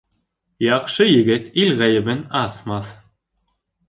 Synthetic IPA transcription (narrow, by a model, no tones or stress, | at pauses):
jɑqʃɤjɘ̆ɡɘt̪ilʁæjɘ̆bɘnɑsmɑθ